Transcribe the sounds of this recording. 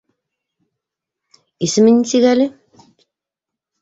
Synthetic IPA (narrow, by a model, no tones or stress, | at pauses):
isɘ̆mɘ̆nʲsiɣælʲɘ